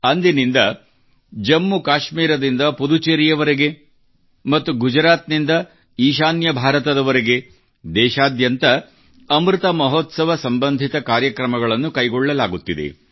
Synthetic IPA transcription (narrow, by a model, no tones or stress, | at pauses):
ɐnd̪inind̪ɐ | d͡ʒɐmːukaːʃmiːɾɐd̪ind̪ɐpud̪ut͡ʃɐɾijɐʋɐɾeɡe̞ | mɐt̪ːuɡud͡ʒɾaːt̪nind̪ɐ | iːʃ̬aːnjɐbʱaːɾɐt̪ɐd̪ɐʋɐɾe̞ɡe̞ | d̪ɛːʃaːd̪jɐnt̪ɐ | ɐmɾit̪ɐmɐɦɔt̪sɐʋɐsɐmbɐnd̪ʱit̪ɐkaːɾjɐkɾɐmɐɡɐɭɐnːukɐjɡɔɭːɐlaːɡut̪ːid̪ḛ